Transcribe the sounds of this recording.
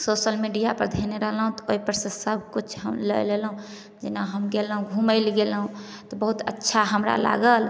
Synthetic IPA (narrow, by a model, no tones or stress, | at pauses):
sosəlmiɖijapəɾd̪ʱeneɾəɦlɦũt̪ɔoipəɾsə̃səb̚ʱkut͡ʃʰɦə̰mlə̰jlelɦũ | d͡ʒinaɦəmɡelɦũɡʱuməɪlɡelɦũ | t̪ɔbəɦut̪ə̰tːʃʰaɦəmɾa̰la̰ɡəl